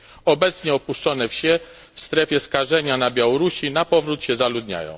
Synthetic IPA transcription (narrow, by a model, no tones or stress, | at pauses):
ɔbɛt̪sɲɛɔpuʂt͡ʂɔnɛfɕɛ | fst̪ɾɛfʲjɛskaʐɛɲanabʲjawɔɾuɕinapɔvɾut̪ɕɛzalud̪ɲa̰jɔ̰̃w̃